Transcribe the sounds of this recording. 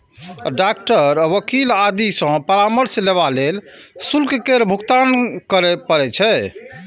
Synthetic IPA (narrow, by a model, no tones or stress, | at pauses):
ɖak̚ʈəɾʋəkilad̪isə̃pəɾaməɾsleβalel | sulkkeɾbʱukt̪ankəɾɛpəɾɛt͡ʃʰɛ